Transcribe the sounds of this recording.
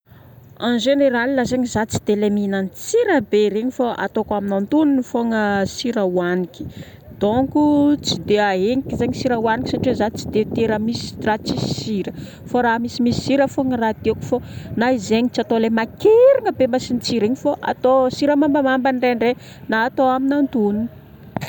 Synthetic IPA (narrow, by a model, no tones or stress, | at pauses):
anʒeneɾalilazeɲizat͡si̥d̪̥eleminanit͡siɾəbeɾeɲifaʔa̰t̪okaminant̪uninifoŋəsiɾəuaniki̥ | d̪̥oŋkut͡sid̪eaɦeŋikizeɲisiɾəwaniki̥saʈ͡ʂezat͡si̥d̪et̪eɾəmisi̥rat͡sisi̥iɾə | faɾaɦmisimisi̥siɾəfoŋərad̪̥eku̥fonaizeɲit͡sat̪olemakeɾiŋəbemasint͡siɾeɲifoʔa̰t̪osiɾəmambəmambanɖ͡ʐeɳɖ͡ʐe | naːt̪oaminant̪unun